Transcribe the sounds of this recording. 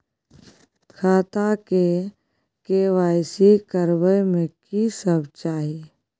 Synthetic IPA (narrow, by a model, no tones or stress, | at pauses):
kʰaːt̪ake | keʋaːjsikəɾbəjmẽkisəbt͡ʃaːɦi